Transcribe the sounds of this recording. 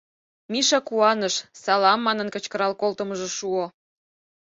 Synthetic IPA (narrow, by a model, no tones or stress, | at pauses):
miʃɑkuɑnəʃsɑlɑmːɑnənkət͡ɕkəɾɑlkolt̪əməʒeʃuo